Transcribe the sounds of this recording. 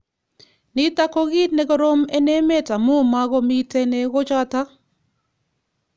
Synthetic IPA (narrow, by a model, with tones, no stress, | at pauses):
nɪ˦ta˦kɔ˦ɡi˦tnɛ˦ɡɔ˦ɾo˦me˦ne˦me˦ta˨mʊ˦˨ma˦ɡɔ˦mi˦tɛ˦nɛ˦ɡɔ˦t͡ʃa˦ta˦